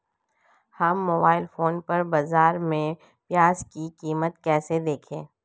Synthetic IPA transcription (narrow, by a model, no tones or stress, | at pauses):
hɐmːoːbaːɪlfoːnpɐɾbɐzaːɾmẽ | pjaːzkikiːmət̪kɛːsed̪eːkʰẽː